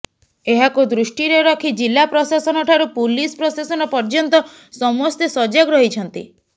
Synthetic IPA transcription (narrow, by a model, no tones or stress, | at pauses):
eɦakud̪ɾusʈiɾeɾɔkʰid͡ʒilːapɾɔsasɔnɔʈʰaɾupulispɾɔsasɔnɔpɔɾd͡ʒɔnt̪ɔ | sɔmɔst̪esɔd͡ʒaɡɾɔɦit͡ʃʰɔnt̪ḭ